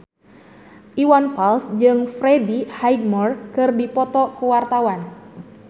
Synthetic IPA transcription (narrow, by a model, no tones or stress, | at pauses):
ʔiwanfalsd͡ʒɨŋfɾɛdihajɡmɔrkɨrdipɔt̪ɔkuwart̪awan